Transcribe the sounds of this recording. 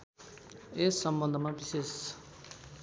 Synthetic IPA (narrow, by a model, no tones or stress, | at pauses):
esːʌmbʌnd̪ʱʌmabises